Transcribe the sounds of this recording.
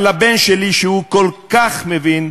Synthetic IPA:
labenʃeliʃehukolkaχmevin

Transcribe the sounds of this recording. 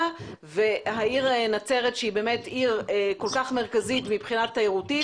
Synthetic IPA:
ve̞ɦaiʁnat͡se̞ʁetʃeibemetiʁko̞lkaχme̞ʁkazitmipχinat̪ːaiʁuti

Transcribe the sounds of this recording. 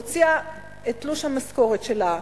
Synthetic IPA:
t͡sia | etluʃhamasko̞ʁetʃela

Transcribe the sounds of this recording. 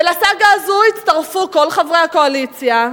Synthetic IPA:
elasaɡaːzuit͡st̪aʁfuko̞lχavʁejhako̞alit͡sja

